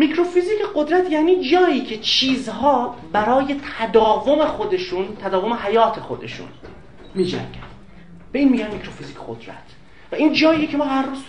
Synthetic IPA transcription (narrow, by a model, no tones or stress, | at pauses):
mikʰɾofiziːkʰeɢo̞d̪ɾæt̪ʰjæːniːd͡ʒɒːjiːcʰe̞t͡ʃʰiːzɦɒːbæɾɒːje̞t̪ʰæd̪ɒːvo̞me̞xod̪e̞ʃunt̪ʰæd̪ɒːvo̞me̞ɦæjɒːt̪ʰe̞xo̞d̪e̞̰ʃṵn | miːd͡ʒæ̰ŋɡ̥ʲæn | b̥eiːnmiːɟænmicʰɾofiziːcʰeɡo̰d̪ɾæ̰t̪ʰ | væʔiːnd͡ʒɒːiːecʰe̞mɒːɦærruz